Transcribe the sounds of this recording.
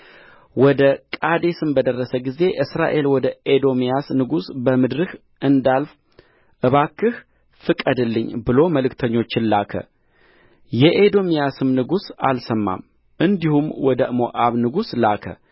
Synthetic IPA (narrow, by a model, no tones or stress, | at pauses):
wɔd̪əkʼad̪esɨmbəd̪ərːəsəɡize̞ʔɨsɾa̰ʔe̞lwɔd̪əʔed̪o̞mijasnɨɡusbəmɨd̪ɾɨh | ʔɨnd̪alf | ʔɨβakʰːɨh | fɨkʼəd̪ɨlːɨɲːbɨlo̞məlɨkt̪ʰəɲːo̞t͡ʃːɪnlakʰə̰ | jɛʔed̪o̞mijasɨmnɨɡusa̰lsəmːa̰m | ʔɨnd̪ihumwɔd̪əmo̰ʔaβnɨɡuslakʰə̰